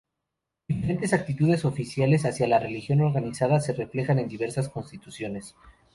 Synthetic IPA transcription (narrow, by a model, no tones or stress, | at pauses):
d̪̥ifeɾe̞nt̪e̞sak̚t̪it̪uðe̞so̞fisjale̞sasjalare̞lixjo̞no̞ɾɣanisaðase̞re̞fle̞xane̞nd̪iβe̞ɾsasko̞nst̪it̪usjo̞ne̞s